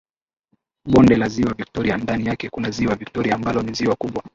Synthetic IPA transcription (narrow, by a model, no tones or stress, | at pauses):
ɓɔndɛlaziwavik̚tɔɾiandanijakɛkunaziwaviktɔɾiaːmbalɔniziwakuɓwa